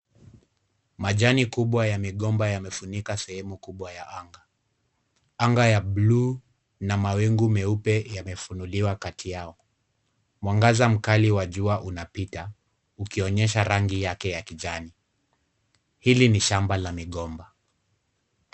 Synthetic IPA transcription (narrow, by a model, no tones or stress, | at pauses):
maʄanikuɓwajamiɠɔmbajamɛfunikasɛhɛmukuɓwajaaŋɡa | aŋɡajablu | namawɛŋɡumɛupɛjamɛfunuliwakatʰijaɔ | mwaŋɡazam̩kaliwaʄuaʔunapita | ukiɔɲɛʃ̬aɾaŋɡijakɛjakiʄani | hiliniʃambalamiɠɔmba